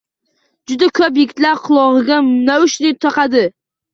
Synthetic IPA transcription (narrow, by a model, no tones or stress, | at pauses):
d͡ʒʊd̪akʰɵpjeɡʲɪt̪laɾqʰʊlˠɒʁɨɡʲanaʊʃnɪt̪ʰɒqɑd̪ɪ